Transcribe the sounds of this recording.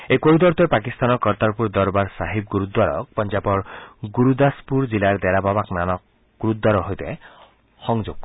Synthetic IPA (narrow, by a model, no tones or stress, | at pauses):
ejkoɾud̪ɔɾt̪ɔpak̬ist̪anɔkɔɾt̪aɾpuɾd̪ɔɾbaɾsaɦib̚ɡuɾud̪waɾɔ̰k̚pɔnd͡ʒapɔɾɡuɾud̪aspuɾd͡ʒilaɾd̪ɛɾababaknanɔk̚ | ɡ̥uɾud̪ːwaɾɔɦojt̪e | xɔŋd͡ʒoɡ̥